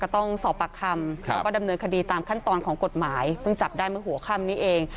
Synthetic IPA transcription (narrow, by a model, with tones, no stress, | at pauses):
ka˧˩t̪ɔ˥˩ŋsɔː˨˩pːa˨˩kʰːa˧mlːkɔː˥˩da˧mnɤː˧nkʰa˧diː˧t̪aː˧mkʰa˥˩nt̪ɔː˧nkʰɔː˩˦ŋko˨˩t̪̚maː˩˦jpʰɯ˥˩ŋt͡ɕa˨˩p̚daː˥˩jmɯ˥˩ɦu˩˦ɐkʰa˥˩mniː˦˥˩ʔeː˧ŋ